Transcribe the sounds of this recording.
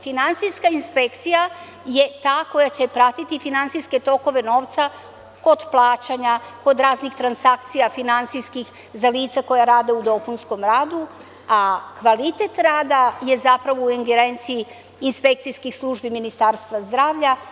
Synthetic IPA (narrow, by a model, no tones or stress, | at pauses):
finansijskainspekt̪sija | je̞t̪aːko̞jat͡ɕepɾat̪it̪ifinansijske̞t̪o̞ko̞ʋe̞no̞ːʋt̪sa | ko̞d̪plˠaːt͡ɕaɲako̞d̪ɾaːznixt̪ɾansakt̪sijafinant̪siskix | zaliːt̪sako̞jaɾaːd̪eud̪o̞punsko̞mɾaːd̪u | akʋalit̪et̪ɾaːd̪aje̞zapɾaʋo̞uiŋɡeɾe̞nt̪siiː | nspe̞k̚t̪sijskixslˠuʒbiminist̪aɾst̪ʋazd̪ɾaːʋʎa